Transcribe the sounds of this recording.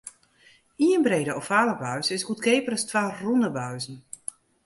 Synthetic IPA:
iənbreːdəɔfaːləbœɥsɪsɡutkeːpərəstʋaːrunəbœɥzn̩

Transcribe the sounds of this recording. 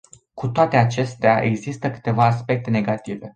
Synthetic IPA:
kut̪oat̪e̞at͡ʃe̞st̪eaʔe̞ɡzist̪əkɨ̥t̪e̞vaːspe̞k̚t̪e̞ne̞ɡat̪ive̞

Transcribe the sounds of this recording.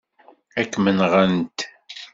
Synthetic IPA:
ækːmənʁənt̪

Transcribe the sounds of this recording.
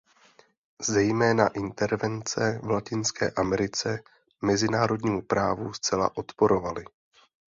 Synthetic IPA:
zɛjmɛːnaʔɪnt̪ɛɾvɛnt͡sɛvlacɪnskɛ̰ːʔamɛɾɪt͡sɛ | mɛzɪnaːɾo̞dɲiːmupɾaːvust͡sɛla̰ʔo̞t̪po̞ɾo̞valɪ

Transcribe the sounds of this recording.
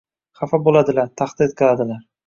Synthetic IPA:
χafabolad̪ɪlaɾt̪ʰaχd̪ɪt̪̚qʰɨlˠad̪ɪlaɾ

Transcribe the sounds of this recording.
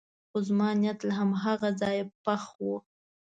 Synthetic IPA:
xʊzmɑnijat̪laɦamɦaɣazɑjpaxwu

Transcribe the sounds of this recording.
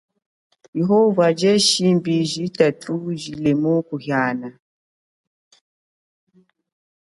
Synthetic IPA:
jeɦovad͡ʒɛʃimbiʒitatʰuʒilemokuhjaːna

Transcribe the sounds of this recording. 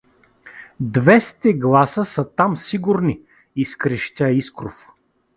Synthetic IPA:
d̪vɛst̪ɛɡlˠasəsɐt̪amsiɡʊɾni | iskɾɛʃt̪ʲaiskɾof

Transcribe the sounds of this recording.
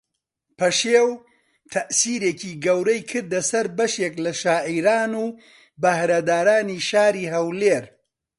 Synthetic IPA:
pʰɐʃeːw | t̪ʰɐʔsiːɾeːciːɡɐwɾɐjkʰɨɾd̪ɐsɐɾbɐʃeklɐʃaːʕiːɾaːnuː | bɐhɾɐd̪aːɾaːniːʃaːɾiːɦɐwleːɾ

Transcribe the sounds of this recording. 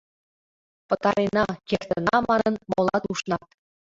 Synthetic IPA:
pɤ̆t̪ɑɾenɑkʲert̪ə̆nɑmɑnɤnmolˠɑt̪uʃnɑt̪̚

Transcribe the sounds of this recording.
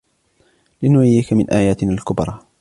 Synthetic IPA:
lɪnʊʕɪjːiːkamɪnʔaːjaːt̪ɪnalkʊbɾˤɑː

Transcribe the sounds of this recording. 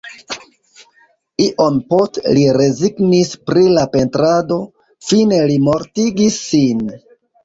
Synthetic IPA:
iʔo̞npo̞stliɾe̞ziɡnispɾilape̞ntɾado̞ | fine̞limo̞ɾtiɡisːin

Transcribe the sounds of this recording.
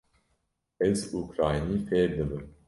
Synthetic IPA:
ɛzukɾaːjnifɛːɾd̪ɨbɨm

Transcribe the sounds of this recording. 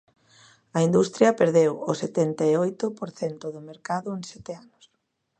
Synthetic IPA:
ɐind̪ust̪ɾjɐpeɾðewoset̪ɛnt̪aeojt̪ʊpoɾθɛnt̪ʊðʊmeɾkaðʊeŋsɛt̪eanʊs

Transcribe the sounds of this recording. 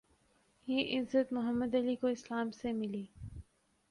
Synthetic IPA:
jeːʔɪzət̪mʊɦəmːəd̪ɐlikoɪslaːmsemɪliː

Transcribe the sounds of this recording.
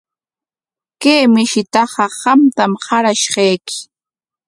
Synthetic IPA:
keːmɪʃɪt̪ɑɢɑɢɑmt̪amhɑɾaʃɢɑjkɪ̥

